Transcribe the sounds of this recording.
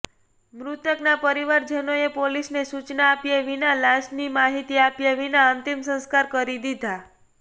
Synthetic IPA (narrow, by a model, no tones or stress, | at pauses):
mɾut̪əknapəɾiʋaɾd͡ʒənoepolisnesut͡ʃnaːpjeʋinalaʃnimaɦit̪iapjaʋinaənt̪imsə̃nskaɾkəɾid̪id̪ʱa